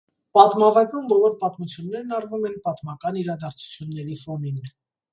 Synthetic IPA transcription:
pɑt̪mɑvɑkunbɔlɔɾpɑt̪mut͡sʰjunːɛɾnɑɾvumɛnpɑt̪mɑkɑniɾɑd̪ɑɾt͡sʰu̥t͡sʰjunːɛɾifɔnin

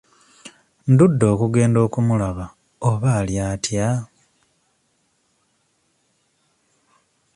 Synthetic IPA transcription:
ndudːo̞ːkuɡe̞ːndo̞ːkumulaβa | oβaljaːtja

